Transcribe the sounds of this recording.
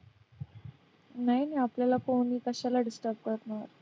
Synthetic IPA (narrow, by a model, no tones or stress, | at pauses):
najiniapljalafoniːkəɕalaɖisʈəɾb̚kəɾət̪na̰ɾ